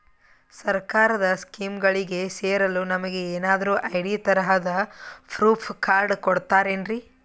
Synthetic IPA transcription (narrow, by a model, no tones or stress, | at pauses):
sɐɾkaːɾɐd̪ɐskiːmɡɐɭiɡe̞seːɾɐlunɐmɐɡe̞eːnaːd̪ɐɾuːʔɐjɽiːt̪ɐɾɐɦɐd̪ɐpʰɾuːpʰkaːɾɖkoɽt̪aːɾeːɳɖɾi